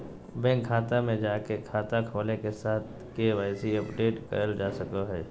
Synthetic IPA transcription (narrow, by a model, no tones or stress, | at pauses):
bɛ̃ːkʰːaːt̪amẽd͡ʒaːkekʰaːt̪akʰoːlekesaːt̪̚ʰ | keʋaːsiɐpɖeːʈkɐ̰ɾəld͡ʒaːsɐkoɦɛː